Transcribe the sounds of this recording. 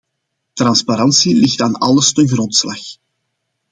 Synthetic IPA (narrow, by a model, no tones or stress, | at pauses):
tɾɑnspaɾɑnsilɪxtaːnɑ̰ləstənɣrɔntslɑx